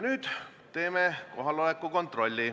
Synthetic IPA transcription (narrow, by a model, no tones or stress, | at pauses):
nyːd̪̥ | t̪e̞ːmeko̞ɦɑlo̞lekːuko̞nt̪ˑro̞lʲːi